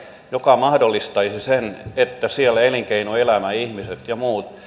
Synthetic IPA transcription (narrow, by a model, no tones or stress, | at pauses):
jokɑmɑhdolːist̪ɑisisenet̪ːæsiælæeliŋkeinuelæmæihmiset̪jɑmuːt̪